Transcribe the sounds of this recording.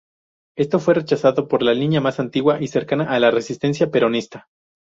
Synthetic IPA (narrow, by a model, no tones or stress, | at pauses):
e̞st̪o̞fwe̞re̞t͡ʃasaðo̞po̞ɾlaliɲamasant̪iɣwaʔise̞ɾkanaʔalare̞sist̪e̞ns̬jape̞ɾo̞nist̪a